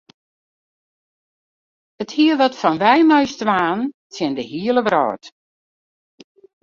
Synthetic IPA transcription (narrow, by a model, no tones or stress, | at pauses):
əthiəʋɔtfɔnʋɛjmɔjstʋaːnsjɪndəhiələbrɔ̰ːt